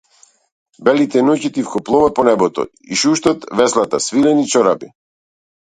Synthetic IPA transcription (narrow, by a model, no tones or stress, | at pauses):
bɛlit̪ɛnucit̪ifkɔplˠɔvapɔnɛbɔt̪ɔ̰ | iʃuʃt̪ɔt̪vɛslˠat̪asvilɛnit͡ʃɔɾabḭ